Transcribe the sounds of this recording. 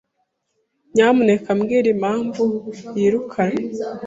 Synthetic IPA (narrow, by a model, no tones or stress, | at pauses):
ɲaːmunekamɡiːɾimaːɱvujiɾukʰaɾa